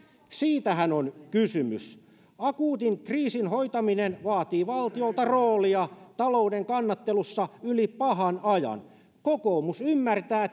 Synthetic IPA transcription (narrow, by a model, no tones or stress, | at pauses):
siːt̪æhænonkysymys | ɑkuːt̪iŋkriːsinhojt̪ɑminenʋɑːt̪iːʋɑlt̪iolt̪ɑroːliɑt̪ɑloudeŋkɑnːɑt̪ːelusːɑylipɑɦɑnɑjɑ̰n | kokoːmusymːært̪æː